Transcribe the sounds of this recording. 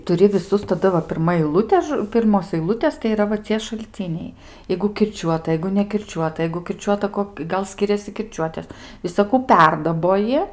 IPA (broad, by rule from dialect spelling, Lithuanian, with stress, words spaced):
tʊˈrʲɪ ʋʲɪˈsʊs tɐˈdɐ ʋɐ pʲɪrˈmɐ ɛɪˈlˠʊtʲeː ˈpʲɪrmoːs ɐɪˈlˠʊtʲeːs tɐɪ iːˈrɐ ʋɐ ˈt͡sʲiɛ ʃɐlʲˈt͡sʲɪnʲɛɪ ˈjɛɪɡʊ kʲɪrʲˈt͡ʃʲuɔtɐ ˈjɛɪɡʊ nʲɛkʲɪrʲˈt͡ʃʲuɔtɐ ˈjɛɪɡʊ kʲɪrʲˈt͡ʃʲuɔtɐ ˈkoːk ˈɡɐlˠ ˈsʲkʲɪrʲɛsʲɪ kʲɪrʲˈt͡ʃʲuɔtʲeːs ʋʲɪsɐˈkuː ˈpʲɛrdɐboːjɪ